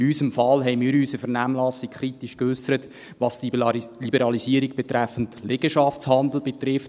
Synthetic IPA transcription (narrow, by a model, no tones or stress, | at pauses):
ysəmfɑlɦɛɪmiːɾysəfɛɾnæmlɑsikkʰχɾitiʃkøsəɾət | ʋɑsllibəɾɑlisiəɾiɡ̚b̥ɛtɾæfən̩tlɛɡəʃɑft͡shɑndl̩b̥et̪ɾɪft